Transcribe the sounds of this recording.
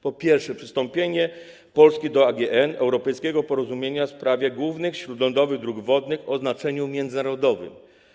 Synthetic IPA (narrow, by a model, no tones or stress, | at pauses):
pɔpʲjɛɾfʂɛpʂɘ̥st̪ɔmpʲjeɲɛ | pɔlskʲid̪ɔaɡʲɛʔɛnɛ̰wɾɔpɛjskʲɛɡɔpɔɾɔzumʲjeɲafspɾavʲjɛɡwuvnɘxɕɾud̪lɔnd̪ɔvɘɣd̪ɾuɡvɔd̪nɘxɔznat͡ʂɛɲumʲjɛnd̪zɘnaɾɔd̪ɔvɘ̰m